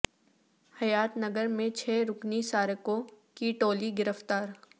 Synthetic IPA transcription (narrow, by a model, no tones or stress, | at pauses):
hɐjaːt̪nɐɡəɾmẽt͡ʃʰɛːɾʊknisaːɾəkõ | kiʈoːliɡɪɾəft̪aːɾ